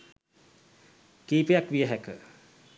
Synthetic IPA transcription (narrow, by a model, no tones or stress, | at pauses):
kiːpejakʋijəɦækə